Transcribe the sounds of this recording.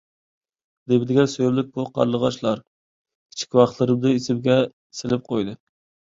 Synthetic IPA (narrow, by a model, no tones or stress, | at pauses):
d̪ebɪd̪ɪɡʲɛnsøjblɪk̚ʲbuqʰɑ̰ɾlˠəʁɑʃlˠɑɾ | kʲʰi̥t͡ʃʰi̥kʲwɑχt̪lˠɨɾɨmd̪ɨisɪbɡʲɛ | sɪlɪp̚qʰojd̪ɨ